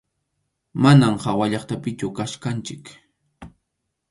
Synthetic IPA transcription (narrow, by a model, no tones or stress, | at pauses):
manamhawaʎɑχt̪apɪt͡ʃʊkaʃkant͡ʃɪk